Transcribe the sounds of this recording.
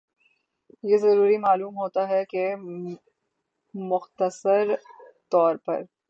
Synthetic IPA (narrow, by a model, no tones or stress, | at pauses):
jezɐɾuːɾimaːluːmɦoːt̪aɦɛke | mʊxt̪əsəɾt̪ɔːɾpɐ̰ɾ